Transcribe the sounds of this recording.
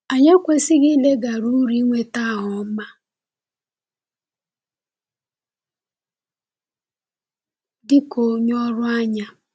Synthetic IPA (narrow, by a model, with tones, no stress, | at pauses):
a˨ɲa˦kʷe˨sɪ˦ɡɪ˦le˦ɡa˨ɾu˦ɾi˦ŋʷe˦ta˦ɦʊ˨˦ma˦ | dɪ˦ko˨ɲɔ˦ɾʊ˦a˦ɲa˦